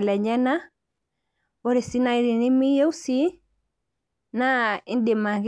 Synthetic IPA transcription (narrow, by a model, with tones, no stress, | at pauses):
lɛ˨ɲa˦na˦ | ɔ˦ɾe˨si˦na˦i˦ɾi˨ni˦mi˦jo˦u˦si˦ | na˦i˦nde˨ma˨ɣ